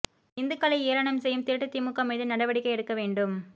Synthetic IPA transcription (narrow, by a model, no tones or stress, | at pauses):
ɪnd̪ɯkɐlɐɪejɐɾɐnɐmsɛjːɯmt̪ɪɾʈːɯt̪ːɪmʊkːɐmeːðɯnɐɽɐʋɐɽɪkːɐɪɛɽɯkːɐʋeːɳɖɯm